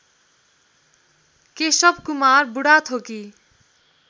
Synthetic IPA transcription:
kesʌbkumarbuɽat̪ʰoki

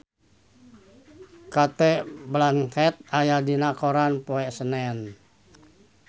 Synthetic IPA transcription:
kat̪ɛblanhɛt̪̚ajadinakoɾanpoɛsənɛn

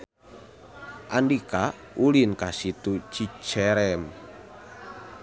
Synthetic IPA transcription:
ʔandika | ulinkasit̪ut͡ʃi̥t͡ʃɛɾɛm

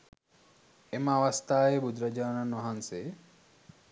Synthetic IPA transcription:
emaʋɐst̪ʰaːebʱud̪ɾɐd͡ʒaːnɐnɐɦanse

